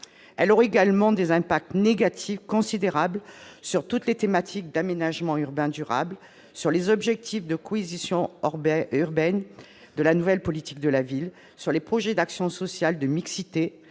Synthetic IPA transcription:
ɛlɔʁeɡalmɑ̃d̪ezɛ̃pak̚t̪neɡat̪ʰifkɔ̃sid̪eʁablsyʁt̪ut̪let̪emat̪ʰik̚d̪amenaʒmɑ̃yʁbɛ̃d̪yʁa̰bl | syʁlezɔbʒɛk̚t̪ʰifd̪əkʰɔezisjɔ̃ | yʁbɛn | d̪əlanuvɛlpɔlit̪ik̚d̪əlavil | syʁlepχɔʒɛd̪aksjɔ̃sɔsjald̪əmiksit̪e

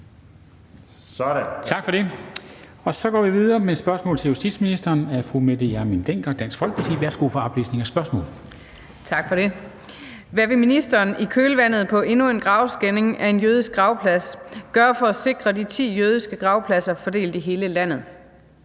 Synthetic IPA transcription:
t͡sʰɑ̈ɡ̥fɒ̽ɾe̝ | ɒ̽sɒ̽ɡ̥ɒ̰ːʋiʋiðˠɐːmesb̥ɶɐsmɔ̽ːlt͡sʰe̝jusd̥ḭd̥sminisd̥ɐːnæfʁumed̥jæmind̥eŋ̰ɡ̥ɐd̥æn̰sɡ̥fɒ̽l̰ɡ̥pʰɑt͡sʰḭːʋæɐsɡ̥ufɒɒb̥lḭːsne̝ŋɒsb̥ɶɐsmɔ̰̽ːl | t͡sʰɑ̈ɡ̥fɒɾe̝ | ʋæʋe̝minisd̥ɐːnikʰøːləʋæn̰ð̞̩ˠpʰɒ̽ʔe̝nue̝nɡ̥ʁɑ̈ʊsɡ̥ene̝ŋæɐe̝njøːðˠisɡ̥ʁɑ̈ʊpʰlæsɡ̥ɶɐfɒ̽æse̝ɡ̥ʁɐdit͡sʰḭːjøːð̞ˠisɡ̥əɡ̥ʁɑ̈ʊpʰlæsɐfɒ̽d̥e̝̰ːld̥iɦe̝ːləlæn̰ð̞̩ˠ

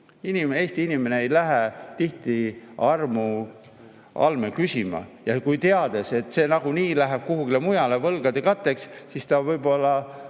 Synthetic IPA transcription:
inime̞ːst̪iinime̞ne̞ejlæɦet̪iht̪iɑrmu | ʔɑ̰lme̞kysʲimɑ̰jɑkujt̪eɑd̪̥e̞se̞t̪ːse̞ːnɑɡ̥uniːlæɦeb̥̚kuɦuɡile̞mujɑle̞vɤlɡ̥ɑd̪̥e̞kɑt̪ːe̞kssist̪ɑvɤjbo̞lːɑ

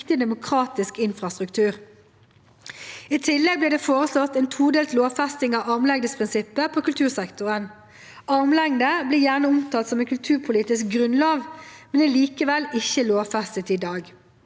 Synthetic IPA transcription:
t̪ɪd̪ɛmʊkʰʁɑːt̪ɪskɪnfʁɑst̪ʁʉkt̪ʰʉːʁ | iːt̪ʰɪlːɛɡ̚bliːd̪ɛːfoːʁəslɔt̪ɛːnt̪ʰuːd̪eːlt̪loːʋfæst̪ɪŋɑʋɑʁmlɛŋd̪əspʰʁɪnsɪpːəpʰoːkʉlt̪ʰʉːʁsɛkt̪ʊʁən | ʔɑʁmlɛŋd̪əbliːjæːʁnəʊmt̪ʰɑːlsɔmɛnkʰʉlt̪ʰʉːʁpʰʊliːt̪ɪsk̚ɡʁʉnlɑːʋmɛnɛliːkəʋɛlɪçəloːʋfɛst̪ət̪id̪ɑːɡ

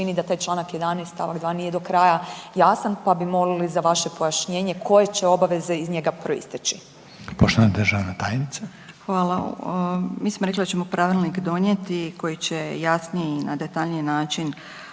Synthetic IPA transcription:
inid̪at̪aːjt͡ʃlˠaːnakjed̪anest̪t̪aʋaɡd̪ʋaːnijed̪o̞kɾaːjajasanpabimo̞lilizaʋaʃe̞po̞jaʃɲeːɲe̞kʰo̞je̞t͡ɕe̞o̞baʋe̞ze̞izɲe̞ɡapɾo̞ḭst̪it͡ʃi | poʃt̪oʋanid̪rʒaʋnat̪aːjnit̪sa | xʋaːlˠa | miːsmoɾeklid̪at͡ɕemopɾaʋilˠnikd̪o̞ɲjet̪ikʰo̞jit͡ɕejasnijeinad̪et̪aʎnijenaːt͡ʃin

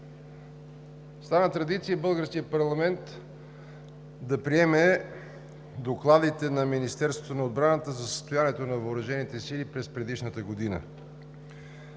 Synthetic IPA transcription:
st̪anət̪ɾɐd̪it̪sijəbɤlˠɡəɾskijəpɐɾlˠɐmɛnt̪ | d̪ɐpɾiɛmɛ | d̪oklˠad̪it̪ɛnɐminist̪ɛɾst̪vot̪onɐod̪̚bɾanət̪əzɐsə̥st̪ojaniɛt̪onɐvəoɾɐʒɛnit̪ɛsilipɾɛspɾɛd̪iʃnət̪əɡod̪inə̰

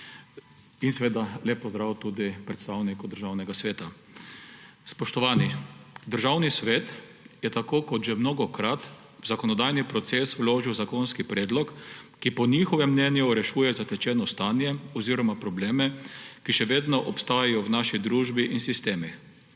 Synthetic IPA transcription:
insɛʋeːd̪aleːpːɔzd̪ɾawt̪uːd̪ipɾɛt̪st̪awnikud̪əɾʒawnɛɡasʋeːt̪a | spɔʃt̪ɔʋaːnid̪əɾʒawnisʋeːt̪ | jɛt̪akoːkɔt̪ʒɛmnɔːɡɔkɾat̪ | wzakɔnɔd̪ajnipɾɔt̪seːswloːʒiwzakɔnskipɾɛːd̪lɔkː | ipɔnixɔʋɛmːnɛnjuɾɛʃuːjɛzat̪ɛt͡ʃɛːnɔst̪aːnjɛɔziːɾɔmapɾɔbleːmɛkiʃɛʋeːd̪nɔʔɔpst̪aːjajɔwnaːʃid̪ɾuːʒbiʔinsist̪eːmi

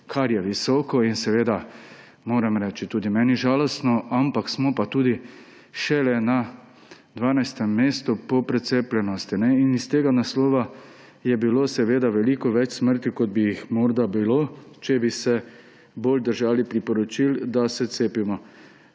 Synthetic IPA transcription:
kʰaɾjɛʋisɔːkɔinsɛʋeːd̪a | moːɾɛmɾɛːt͡ʃit̪uːd̪imɛːniʒaːlɔst̪nɔampaksmɔpat̪uːd̪i | ʃɛlɛna | d̪ʋaːnajst̪ɛmːeːst̪upɔpɾɛt̪seːplʲɛnɔst̪inɛinist̪eːɡanaslɔːʋa | jɛbiloːsɛʋeːd̪aʋɛliːkɔʋɛt͡ʃsməɾt̪ikɔd̪̚bijixmɔɾd̪abilot͡ʃɛbisɛ | boːld̪əɾʒaːlipɾipɔɾɔt͡ʃild̪asɛt̪seːpimɔ

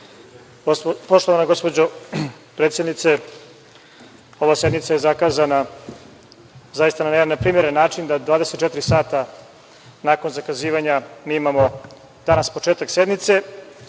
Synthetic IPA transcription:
po̞ʃt̪oʋanaɡo̞spo̞d͡ʑo | pɾeːt̪sjed̪nit̪se̞ | o̞ʋased̪nit̪sajezakaːzana | zajist̪ananenːapɾiːmʲjeɾenːaːt͡ʂind̪ad̪ʋaːd̪eset̪t͡ʃɛt̪iɾisaːt̪a | naːko̞nzakaziːʋaɲamiːimamo̞ | d̪̥anaspo̞t͡ʃeːt̪aksed̪nit̪se̞

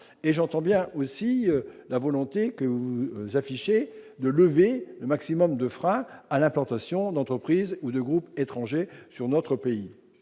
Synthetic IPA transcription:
eʒɑ̃t̪ɑ̃bjɛ̃ʔosilavɔlɔ̃t̪ekəvuuzafiʃe | d̪ələveləmaksimɔmd̪əfχɛ̃alɛ̃plɑ̃t̪asjɔ̃d̪ɑ̃t̪χəpχizud̪əɡʁupet̪χɑ̃ʒesyʁnɔt̪χəpei

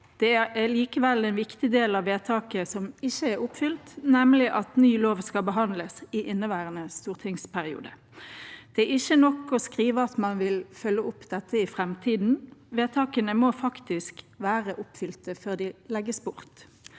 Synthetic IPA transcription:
d̪̥ɛææliːkəʋɛlɛnʋɪkt̪ɪd̪eːlɑʋʋːeːt̪ʰɑːkəsɔmɪçːəɛɾʊpfʏlt̪nɛmlɪʔɑt̪nyːloːʋskɑbəɦɑnd̪ləsɪʔɪnːəʋæːʁənəst̪uːʁt̪ʰɪŋspʰæʁɪṵːd̪ə | d̪̥ɛæɪçːənɔkːɔskʁiːʋəɑt̪mɑnʋɪlfœlːəʊpːd̪ɛt̪ːəɪfɾɛmt̪ʰiːd̪n̩ʋeːt̪ʰɑːkənəmofɑkt̪ɪsk | ʋæːʁəʔʊpfʏlt̪əføːʁd̪ɪlɛɡːəsbʊʁt̪

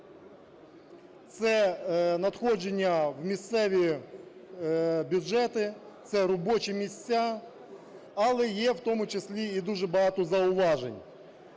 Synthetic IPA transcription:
t̪sɛnɐt̪xɔd͡ʒenʲːɐwmʲist̪sɛʋʲi | bʲʊʒɛt̪ɪ | t̪sɛɾɔbɔt͡ʃimʲisʲt͡sʲːa | ɐlˠɛjɛwt̪ɔmʊt͡ʃesʲlʲiid̪uʒɛbɐɦɑt̪ʊzɐʊʋɑʒenʲ

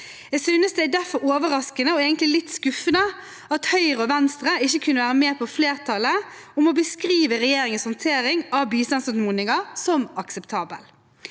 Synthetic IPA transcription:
ɛsyːnəsd̪ɛæd̪æɾfɔɾoːʋəɾɑskənəɔeːɡənt̪lɪlɪt̪ːskʉfənə | ɑt̪hœʏʁəɔʋɛnst̪ɾəɪçːəkʰʉnːəʋæːʁəmeːpʰɔfleːʁt̪ʰɑlə | ʊmɔbəskɾiːʋəʁɛjeːɾɪŋənshʊnt̪ʰeːɾɪŋɑʋbiːslɑnsɔmuːnɪŋɑsɔmɑksɛpt̪ʰɑːbə̰l

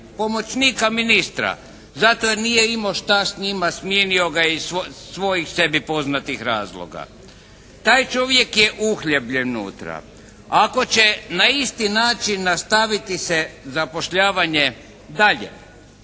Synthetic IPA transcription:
po̞mo̞t͡ʃniːkaminist̪ɾa̰ | zat̪oenijeimo̞ʃt̪asɲimasmjenio̞ɡaissʋo̞jixse̞bipo̞znat̪ixɾaːzlˠo̰ɡa̰ | t̪aːjt͡ʃo̞ʋje̞kjeʔuxʎebʎennṵːt̪ɾa̰ | ako̞t͡ɕenaist̪inaːt͡ʃinːast̪aʋit̪isezapo̞ʃʎaːʋaɲe | d̪aʎḛ

